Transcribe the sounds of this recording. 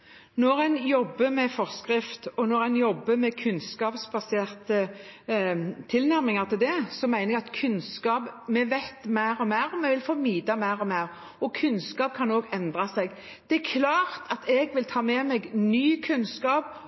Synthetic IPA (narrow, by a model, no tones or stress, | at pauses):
nɔɾɛɪnjɔbːəmɛfɔʁskʁɪft̪ɔnɔɾæɪnjɔbːəmɛkʰʉnskɑːpsbɑseːʁt̪ə | t̪ʰɪlnæɾmɪŋɑʁt̪ʰɪld̪ɛsɔmæɪnəɛɑt̪kʰʉnskɑːpmɛʋæt̪mæɪʁɔmeːʁɔmɛʋɪlfɔmiːd̪ɑmæːʁɔmeːʁ | ɔkʰʉnskɑːp̚kʰɑnoːɡɛnd̪ʁɑsɛɡ | d̪̥ɛækʰlɑːʁt̪ʰɑt̪ɛɡʋɪlt̪ʰɑːmɛːmɛɡnyːkʰʉnskɑːp